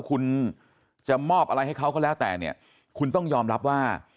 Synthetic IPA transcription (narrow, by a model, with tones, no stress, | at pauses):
kʰu˧n | t͡ɕa˨˩mɔː˥˩p̚ʔa˧ɾa˧jha˥˩jkʰa˦˥wkʰɔː˥˩lɛː˦˥wt̪ɛ̰ː˨˩ni˥˩ɐ | kʰu˧nt̪ɔ˥˩ŋjɔː˧mɾa˦˥p̚waː˥˩